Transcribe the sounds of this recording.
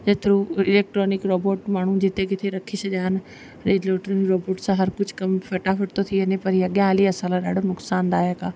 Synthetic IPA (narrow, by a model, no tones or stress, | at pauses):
d͡ʑɐt̪ɪɾũɪleːk̚ʈɾɔːnɪkɾɔːboːʈmaːɳ̤ũd͡ʑɪt̪ekɪt̪ʰeɾɐkʰisɐʄaːɦɪn | ɾeːɖleːʈɾonɪkɾoːboːʈsãɦɐɾkʊd͡ʒʱkɐmfɐʈafʰɐʈt̪ot̪ʰiənepɐɾiɐɠjãaːliɐsãlaɗaːɖʱonʊksaːnd̪aːɦjakaː